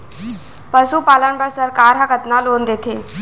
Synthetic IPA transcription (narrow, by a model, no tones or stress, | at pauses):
pəsuːpalanbəɽsəɾkaɾɦãɡət̪naloːnd̪et̪ʰe